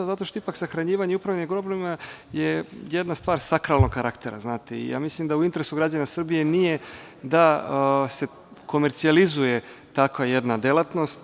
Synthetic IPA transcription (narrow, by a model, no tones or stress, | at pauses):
zat̪o̞ʃt̪oipaksaxɾaɲiːʋaɲeupɾavneɡpɾoblema | jejed̪nast̪ʋaːɾsakɾalˠno̞ɡkːaɾakt̪e̞ɾa̰znaːt̪eḭja̰ːmislimd̪auint̪e̞ɾesuɡɾad͡ʑanasr̩bije̞nije̞ | d̪ase̞ | ko̞meɾt̪sializuje̞t̪akʋajed̪nad̪elˠat̪no̞st̪